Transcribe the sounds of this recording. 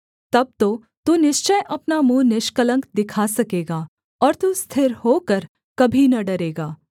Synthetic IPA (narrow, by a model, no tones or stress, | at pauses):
t̪ɐb̚t̪o | t̪unɪʃt͡ʃəjʔɐpnamũːnɪʃkələ̃ŋkd̪ɪkʰasɐkeːɡaː | ɔːɾt̪ust̪ʰɪɾhoːkəɾ | kɐbʱinɐɖɐɾeːɡaː